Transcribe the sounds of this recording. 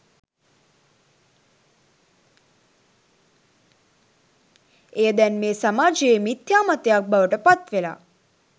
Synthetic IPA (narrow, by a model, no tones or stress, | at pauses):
ejəd̪ɛnmeːsamaːd͡ʒeeːmit̪jaːmat̪ejak̚baʋəʈəpat̪ʋela̰